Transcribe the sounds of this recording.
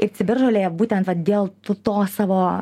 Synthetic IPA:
ɪrt͡sʲɪbʲɪrʒoːlʲeːjɛbuːt̪ʲɛnt̪ʋɐt̪d̪ʲeːlˠt̪ut̪oːsɑːʋoː

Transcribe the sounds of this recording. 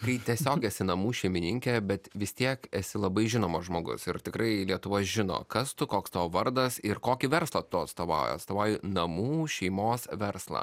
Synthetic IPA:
kɐɪt̪ʲiɛsʲoːkɛsʲɪnɐmuːʃʲɛɪmʲɪnʲɪŋʲkʲɛbʲɛt̪ʋʲɪst̪ʲiɛkɛsʲɪlˠɐbɐɪʒʲɪnoːmɐʒmoːɡʊ̰sɪɾt̪ʲɪkɾɐɪlʲiɛt̪ʊʋoːʒʲɪno̰ːkɐst̪ʊkoːkst̪ɐːʋɐɾd̪ɐsɪɾkoːkʲɪʋʲɛɾslˠɐt̪ʊɐt̪st̪oːʋɑ̰ʊjo̰ɐt̪st̪oːʋɑʊjɪnɐmuːʃʲɛɪmoːsʋʲɛɾslˠɐ̰ː

